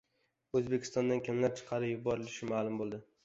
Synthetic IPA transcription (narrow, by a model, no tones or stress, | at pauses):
ɵzbekʲʰɪ̥st̪ɒnd̪ankʲʰamlaɾt͡ʃʰɨ̥qʰɑɾɪjʊbɒɾɪlɪʃɪmalˠʊmbolˠd̪ɪ